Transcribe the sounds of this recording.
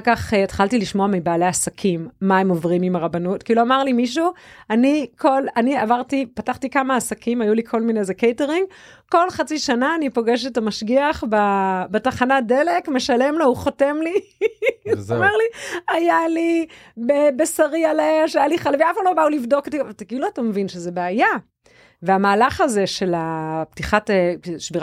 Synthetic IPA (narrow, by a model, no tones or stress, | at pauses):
kaχetχaltiliʃmoamibaːleasakʰimːaemo̞vʁimimaʁabanutkiloamaʁlimiʃ̬uanikʰo̞laniavaʁtipataχtikamaːsakimajulikʰo̞lmine̞jzekejteʁiŋɡ | ko̞lχat͡siʃanaːnipo̞ɡe̞ʃ̬etamaʃɡiaχbabetaχanade̞le̞kme̞ʃale̞mlauχote̞mli | meʁliajalibebesaʁialeʃajaliχalviafalobaulivdo̞katitakːluatamevinʃezebeaja | veamaːlaχaze̞ʃe̞laptiχateʃbiʁ